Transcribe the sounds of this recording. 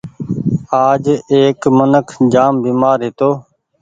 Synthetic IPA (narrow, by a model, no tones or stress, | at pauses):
aːd͡ʒeːkmənəkʰd͡ʒaːmbiːmaːɾɦɪt̪oː